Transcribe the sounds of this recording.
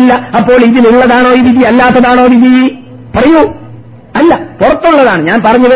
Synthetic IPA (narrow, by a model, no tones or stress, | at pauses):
lːɐɐpːo̞ːɭiðiluɭːɐðaːɳo̞ːiʋid̪iɐlːaːt̪ːɐðaːɳo̞ːʋid̪iji | pɐrɐju | ɐlːɐpurɐt̪ːuɭːɐðaːɳɨɲaːnpɐrɐɲːuðɐ